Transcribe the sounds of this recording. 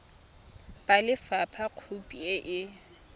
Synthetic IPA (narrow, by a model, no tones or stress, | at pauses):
b̥alɪfapʰaq͡χʰupʼieʔɪ